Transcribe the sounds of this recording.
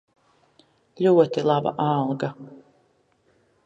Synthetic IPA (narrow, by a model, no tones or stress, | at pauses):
lʲuɔt̪ilˠaba̰ʔalˠɡa